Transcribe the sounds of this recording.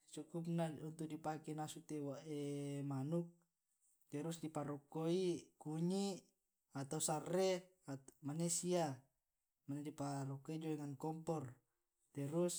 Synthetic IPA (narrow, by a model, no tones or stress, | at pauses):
t͡ʃukup̚naunt̪uʔdipakenasut̪ewaʔemanuk̚ | t̪ɛɾusdipaɾɔkːoikuɲi | at̪ausarːe | amanesia | manedipaɾɔkːoid͡ʒoeŋankɔmpɔr | t̪ɛɾus